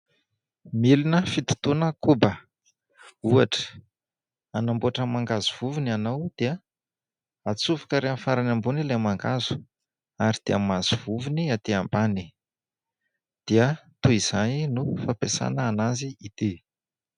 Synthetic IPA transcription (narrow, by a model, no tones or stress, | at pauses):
milinəfit̪u̥t̪unəkubə | uaʈ͡ʂə̥ | anambuaʈ͡ʂəmaŋɡazuv̥uvinianawd̪̥eə | at͡sufḁkəɾeanfaɾanambunilamaŋɡazu̥ | aɾid̪̥eamazuv̥uviniat̪eambani | d̪̥iət̪uiz̥aninufapesa̰nəːnaziit̪i